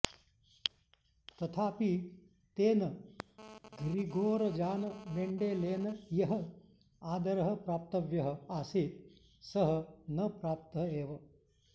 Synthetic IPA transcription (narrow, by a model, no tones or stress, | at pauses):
t̪ɐt̪ʰaːpi | t̪eːnɐ | ɡɾiɡoːɾɐd͡ʒaːnɐmeːɳɖeːleːnɐjɐɦə | aːd̪ɐɾɐɦɐ̆pɾaːp̚t̪ɐʋjɐɦəaːsiːt̪ | sɐɦənɐpɾaːp̚t̪ɐɦeːʋɐ